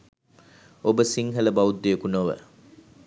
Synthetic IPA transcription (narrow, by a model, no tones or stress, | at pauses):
obəsiŋɦɐləbɐud̪ːejəkunoʋə̰